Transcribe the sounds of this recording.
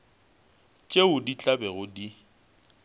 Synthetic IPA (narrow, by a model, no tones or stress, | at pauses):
t͡ʃʼeʊdit͡ɬʼabɛɣʊdi